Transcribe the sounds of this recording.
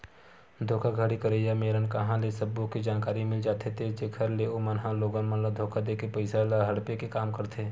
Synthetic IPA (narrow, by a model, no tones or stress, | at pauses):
d̪ʱoːkʰaɡʱəɽikəɾeːjameːɾənkɐɦãlesɐbõkid͡ʒaːnkaːɾimɪld͡ʒaːt̪ʰet̪ʰed͡ʒekʰɐɾleomɐnɦãloːɡənmɐnlad̪ʱoːkʰad̪eːkepɐɪsalaɦɐɽpekekaːmkɐɾt̪ʰeː